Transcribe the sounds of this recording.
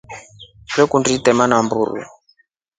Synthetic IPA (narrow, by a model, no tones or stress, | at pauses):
dɛkunditɛmanambṵɾṵ